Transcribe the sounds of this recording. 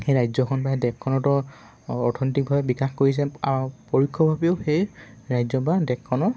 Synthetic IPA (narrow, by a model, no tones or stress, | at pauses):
xejɹajzɔkʰɔnbadɛkʰːɔnɔtɔ | ɔtʰɔnɔtik̚bʱabɛbikaxkoɹis̬ɛapoɹikʰːɔbʱabɛʊxej | ɹajzɔbadɛkʰːɔnɔ